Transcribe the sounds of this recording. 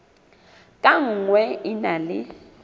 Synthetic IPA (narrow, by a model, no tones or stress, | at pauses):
kʼaŋ̩ŋwɛinalɪ